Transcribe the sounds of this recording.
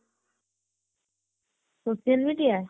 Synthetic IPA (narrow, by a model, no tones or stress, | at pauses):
sosijalmiɖija